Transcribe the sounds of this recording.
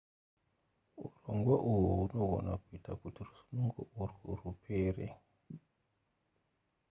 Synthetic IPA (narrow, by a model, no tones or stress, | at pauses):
uroŋɡwaʔujuuno̞ɡʱo̞̰nakuitakutirusu̥muŋɡo̰ʔurṵrupʰeːrḛ